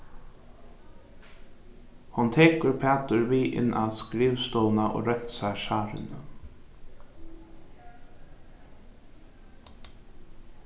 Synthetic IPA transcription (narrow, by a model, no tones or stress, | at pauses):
hʊnt̪ʰeːkəɹpʰæːt̪əɹʋiːʔɪ̰nːʔa̰ðskɾiːʋst̪ɔːlnaʔo̰ːɾɛt̪sæɪʃɑːɾɪ̰nə